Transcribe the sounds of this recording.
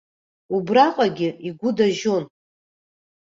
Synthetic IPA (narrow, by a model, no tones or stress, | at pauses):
ubraqʷʼaɡʲɪiɡʷʊdaʒon